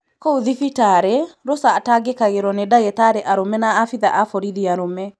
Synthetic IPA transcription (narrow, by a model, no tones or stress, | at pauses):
kouðifitaɾɛɾosaːtaɡekaɣeɾɔnedaɣetaːɾeʔaɾomɛnaːfiðaʔafoɾiðiaɾomɛ